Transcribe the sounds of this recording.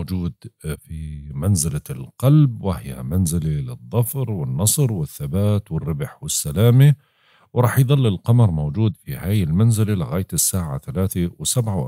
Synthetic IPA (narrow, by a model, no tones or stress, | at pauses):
d͡ʒuːd̪fimanzɪlalqɑlbwɪhɪja̰manzɪlalɪðˤːɑfɾwɪnːɑsˤɾwɪθːabaːt̪wɪrːɪbħwɪsːalaːmi | wɾˤɑːħjðˤɑlːɪlqɑmɑɾˤmowd͡ʒuːd̪fihaːjɪlmanzɪlalɪɣaːjt̪ɪsːaːʕa̰θalaːθewsabʕaw